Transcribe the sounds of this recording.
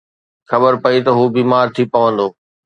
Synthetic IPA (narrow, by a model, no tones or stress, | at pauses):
xɐbəɾpɐit̪ɐɦuːbiːmaːɾt̪ʰipɐʋə̃nd̪oː